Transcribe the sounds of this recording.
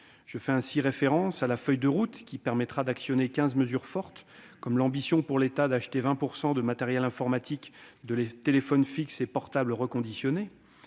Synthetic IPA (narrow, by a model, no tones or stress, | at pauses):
ʒ̥əfɛɛ̃siʁefeʁɑ̃salafœjd̪əʁut̪kʲipɛʁmɛt̪χad̪aksjɔnekʲɛ̃zməzyʁfɔʁt̪ | kɔmlɑ̃bisjɔ̃puʁlet̪ad̪aʃt̪evɛ̃puʁsɑ̃d̪əmat̪eʁjɛlɛ̃fɔʁmat̪ʰikd̪əlet̪elefɔnfiksepɔʁt̪abləʁəkɔ̃d̪isjɔne